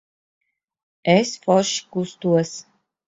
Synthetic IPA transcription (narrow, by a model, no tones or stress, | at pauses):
ɛsfɔʃkust̪uəs